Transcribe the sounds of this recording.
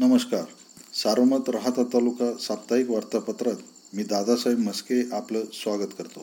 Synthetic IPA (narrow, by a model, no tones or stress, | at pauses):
nəməskaɾ | saɾəmət̪ɾəɦat̪at̪alukasap̚t̪aikʋaɾt̪apət̪ɾat̪̚ | miːd̪ad̪asajibməskeʔapləsʋaɡət̪kəɾt̪o